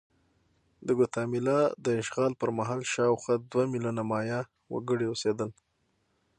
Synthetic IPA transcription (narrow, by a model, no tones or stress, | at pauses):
d̪əɡʊt̪ɑmɪlɑd̪əɪʃɣɑlpəɾmaɦɑlʃɑwxwaɑd̪wamilunamɑjɑ | wə̰ɡəɽiosed̪əl